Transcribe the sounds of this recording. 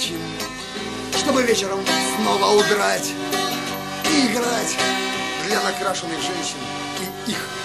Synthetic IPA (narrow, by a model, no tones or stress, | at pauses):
t͡ɕin | ʂt̪ɔbɨvʲet͡ɕɪɾəmsnɔvəʊbɾatʲ | iːɡɾatʲd̪lʲɐnɐkɾaʂɨnɨɣʐɛnʲɕɪn | i | ix